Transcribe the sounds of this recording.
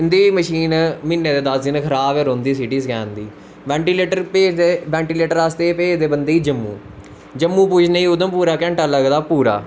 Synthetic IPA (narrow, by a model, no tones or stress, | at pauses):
ɪnd̪iːməʃiːnmɪnːeːd̪eːd̪asd͡ʒɪnkʰəɾaːbeːɾõːnd̪iːsɪʈiːskɛ̰ːnd̪iː | ʋɛ̃ːɳʈileːʈəɾpeːeʋɛ̃ːɳʈiːleːʈəɾaːst̪eːpeːd͡ʒd̪eːbənd̪eːiːd͡ʒəmːṵ̃ː | d͡ʒəmːũːpuːd͡ʒneiːʊd̪əmpuːɾaːkɛ̃ːɳʈaːləɡd̪aːpuːɾa̰ː